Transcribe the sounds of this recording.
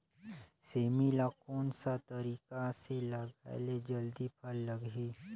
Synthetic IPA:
seːmilakoːnsat̪ɐɾiːkaseləɡa̰led͡ʒɐld̪ipʰɐlːəɡɦeː

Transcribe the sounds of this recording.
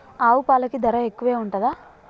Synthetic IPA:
aːʋupaːlɐkid̪ɐɾɐekːuʋeːuɳʈɐd̪aː

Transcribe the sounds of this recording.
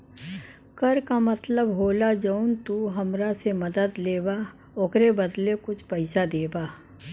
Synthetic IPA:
kɐɾkamɐt̪ləbɦoːlad͡ʒəunt̪uɦɐmɾasemɐd̪əd̪leːba | oːkɾebɐd̪lekʊt͡ʃʰpɐɪsad̪eːbaː

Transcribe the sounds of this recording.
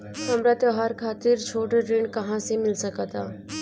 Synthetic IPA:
ɦɐmɾat̪oɦaːɾkʰaːt̪ɪɾt͡ʃʰoːʈəɾẽːɳɖkɐɦãsemɪlsəkat̪aː

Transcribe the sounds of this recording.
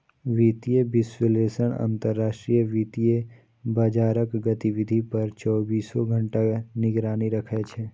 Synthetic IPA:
ʋiːt̪iebɪswəleːsəɳ̃ã̰ːnt̪əɾːaːʃʈɾijəʋiːt̪ije | bəd͡ʒaːɾəkɡət̪iʋɪd̪ʱipəɾt͡ʃɔːbiːsoɡʱə̃ɳʈanɪɡɾaːniɾəkʰet͡ʃʰeː

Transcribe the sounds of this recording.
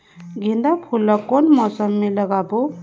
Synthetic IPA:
ɡʱind̪apʰulːʌkːonmɔsəmːeləɡabo

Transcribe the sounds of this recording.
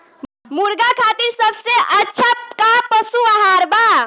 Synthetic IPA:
muɾɡakʰat̪iɾsəbseʔətːʃʰakapəsuaɦaɾba

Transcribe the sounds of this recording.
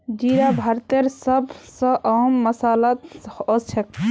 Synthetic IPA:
d͡ʒiɾabʱaɾt̪eɾsəbsə̃ʔəɦmːəsalat̪ɔt͡ʃʰek

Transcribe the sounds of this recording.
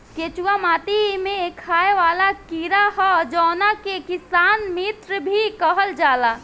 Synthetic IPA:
ket͡ʃuwamaːt̪imekʰaeʋaːlakiɾaɦɔd͡ʒɔːnakekisanmit̪ɾəbʱikəɦəld͡ʒaːla

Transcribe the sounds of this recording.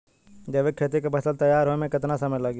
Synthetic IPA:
d͡ʒɐʋekʰet̪ekebɐsəlt̪ɐjːaːɾɦomẽkɪt̪nasɐməjlɐɡ

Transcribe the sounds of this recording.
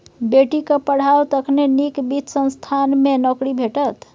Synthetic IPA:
beʈikəpəɽ̤awt̪əkʰnenikbitsə̃nst̪ʰanmenɔkɽibʱeʈət̪

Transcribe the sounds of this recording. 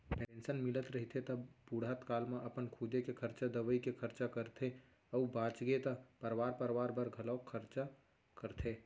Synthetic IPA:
peẽnsənmɪlət̪ɾəɦit̪ʰet̪əbuɽat̪kaːlmẽʔəpənkʰuːd̪ekekʰəɾt͡ʃad̪əʋəikekʰəɾt͡ʃakəɾt̪ʰe | ɔubãːt͡ʃɡet̪əpəɾʋaːɾpəɾʋaːɾbəɾɡʱəlɔːkʰəɾt͡ʃa | kəɾt̪ʰe

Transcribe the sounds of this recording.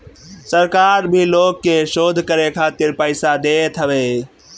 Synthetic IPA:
səɾkaɾbʱilokːeʃod̪ʱkəɾekʰat̪iɾpəɪsad̪et̪ʰɦəbe

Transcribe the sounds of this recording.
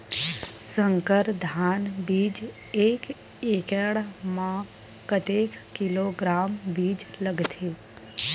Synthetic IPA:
sə̃ŋkəɾd̪ʱaːnbiːd͡ʒ | eːk | ekəɽmã | kət̪eːkkɪloɡɾaːmbiːd͡ʒləɡt̪ʰeː

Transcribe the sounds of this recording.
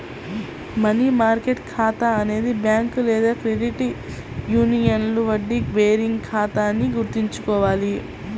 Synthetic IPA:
mɐnimaːɾkeʈkʰaːt̪ɐɐne̞ːd̪ibjaːŋkulɛːd̪aːkɾeɖiʈi | juːnijɐnluʋɐɖːikʋeːɾiŋɡkʰaːt̪aːnːiɡuɾt̪iɲt͡ʃukɔːʋaːli

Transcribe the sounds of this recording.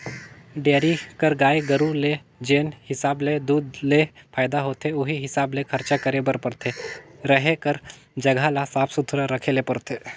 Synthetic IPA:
ɖeːɾikəɾɡaːeɡəɾule | d͡ʒeːnhɪsaːbled̪uːd̪lepʰaːɪd̪aɦoːt̪ʰeʊɦiɦɪsaːblekʰɐɾt͡ʃakəɾebəɾpɐɾt̪ʰeɾəɦekəɾ | d͡ʒɐɡʱalasaːpʰsʊt̪ʰɾəɾəkʰeːlepɐɾt̪ʰeː

